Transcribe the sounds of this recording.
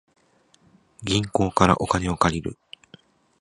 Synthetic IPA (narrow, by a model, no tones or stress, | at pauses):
ɡʲĩŋko̞ːkaɾa̰ʔo̞kane̞o̞kaɾʲiɾɯ̟